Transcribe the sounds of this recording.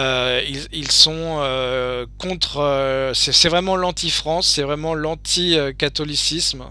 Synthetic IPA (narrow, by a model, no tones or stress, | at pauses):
øililsɔ̃økɔ̃t̪χøsɛsɛvʁɛmɑ̃lɑ̃t̪ifχɑ̃sːɛvʁɛmɑ̃lɑ̃t̪ʰiøkat̪ɔlisism